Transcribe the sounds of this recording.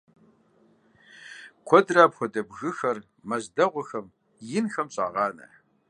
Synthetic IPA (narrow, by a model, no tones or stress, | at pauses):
kʷʰɔdraːpxʷɔdɐbɣɨxɐr | mɐzdɐʁʷɔxɐm | jɪnxɐmɕʼaːʁɑːnɐ̰ħ